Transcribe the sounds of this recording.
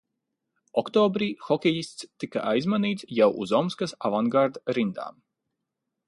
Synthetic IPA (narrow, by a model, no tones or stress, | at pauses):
ɔkt̪ɔːbɾiːxɔkʲɛjist̪st̪ika̰ʔajzmaniːt̪sjawʔuzɔmskasavaŋɡaɾd̪ɾind̪a̰ːm